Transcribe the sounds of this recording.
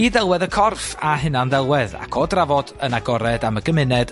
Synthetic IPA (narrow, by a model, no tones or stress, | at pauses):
iðɛlˠwɛðəkʰɔrfaɦɪnanðɛlˠwɛða̰kʰoːdravɔd̥ənaɡɔɾɛdaməɡəmɪnɛd̥